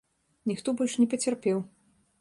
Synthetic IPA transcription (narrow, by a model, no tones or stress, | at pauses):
nʲixt̪ɔbɔlʲʂnʲɛpɐt͡sʲɐrpʲɛw